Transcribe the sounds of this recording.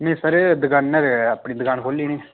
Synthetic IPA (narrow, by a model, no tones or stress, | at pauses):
nẽːsəɾed̪əɡaːnːəɾapɳĩːd̪əɡaːnkʰoːliːniː